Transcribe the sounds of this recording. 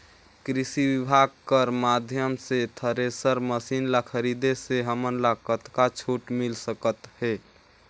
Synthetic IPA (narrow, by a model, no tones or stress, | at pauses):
kɾisiʋibʱaɡ̚kəɾmad̪ʱjəmset̪ʰəɾesəɾməsinlakʰəɾid̪eseɦəmənlakət̪kat͡ʃʰoʈmilsəkət̪he